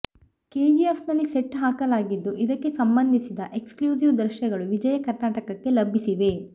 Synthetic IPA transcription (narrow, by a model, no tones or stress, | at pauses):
keːd͡ʒiepnɐlːiseʈːɦaːkɐlaːɡid̪ːuʔid̪ɐkːe̞sɐmbɐnd̪ʱisid̪ɐʔe̞kskljuːsiʋd̪ɾʃɐɡɐɭuʋid͡ʒɐjɐkɐɾnaːʈɐkɐkːe̞lɐbʱːisiʋe̞